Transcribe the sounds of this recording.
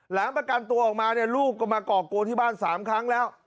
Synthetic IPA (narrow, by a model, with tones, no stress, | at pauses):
laː˩˦ŋpɾa˧ka˧nt̪u˧ɐʔɔː˨˩k̚maː˧ni˥˩ɐluː˥˩k̚ːɔː˥˩maː˧kɔː˨˩ko˧t̪ʰiː˥˩baː˥˩nsaː˩˦mkʰɾa˦˥ŋlɛː˦˥w